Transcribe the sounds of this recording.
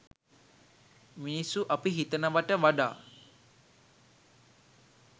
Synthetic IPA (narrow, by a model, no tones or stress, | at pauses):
minisuʔapiɦit̪ənəʋaʈəʋaɖa̰ː